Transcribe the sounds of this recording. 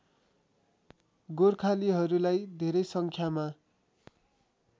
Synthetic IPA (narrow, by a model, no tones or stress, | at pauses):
ɡorkʰaliɦʌɾulajd̪ʱeɾʌjsʌŋkʰjama